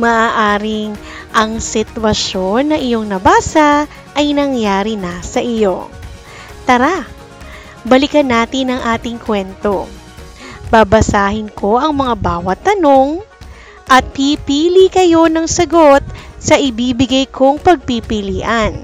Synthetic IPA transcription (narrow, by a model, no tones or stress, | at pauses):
mɐʔaːʔaːɾɪŋ | ʔɐŋsɪt̪wɐʃo̞nːɐʔɪjo̞ŋnɐbaːsɐ | ʔɐjnɐŋjaːɾinɐsɐʔɪjo̞ | t̪ɐɾa | bɐlɪkɐnːaːt̪ɪnɐŋʔaːt̪ɪŋkʰwɛnt̪o̞ | b̥abɐsaːhɪnkʰo̞ʔɐŋmɐŋabaːwɐt̪ːɐno̞ŋ | ʔɐt̪̚pipiːlikɐjo̞nɐŋsɐɡo̞t̪̚sɐʔɪbiːbɪɡɐjkʰo̞ŋpɐɡ̚pipɪliːʔɐn